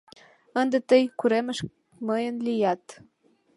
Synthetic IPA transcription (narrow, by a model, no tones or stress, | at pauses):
ənd̪et̪əjkuɾeməʃ | məjənlijɑt̪